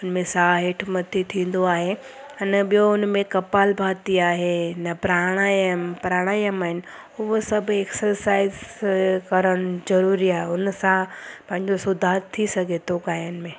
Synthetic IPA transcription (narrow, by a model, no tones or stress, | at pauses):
ʊnmẽsaːɦeːʈʰmɐt̪ʰit̪ʰĩːn̆d̪oaːɦe | ɐnɓijoʊnmẽkɐpaːlbʱaːt̪iaːɦenɐpɾaːɽ̃aːjəmpɾaːɽ̃aːjəmaːɦɪnɪ̆ | ʊɦosɐbʱeksəɾsaːɪzkɐɾəɽ̃ʊzɐɾuːɾiaːɦeʊnsãpɐ̃ɦɪ̃ɲd͡ʑosʊd̪ʱaːɾt̪ʰːisɐɡʱet̪ʰokaːjənɪ̆mẽ